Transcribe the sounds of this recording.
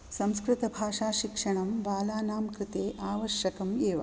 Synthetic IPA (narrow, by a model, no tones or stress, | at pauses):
sɐ̃mskɾɪt̪ɐbʱaːʂaːʃikʂɐɳɐmbaːlaːnaːmkɾɨt̪eːʔaːʋɐʃjɐkɐmeːʋɐ̰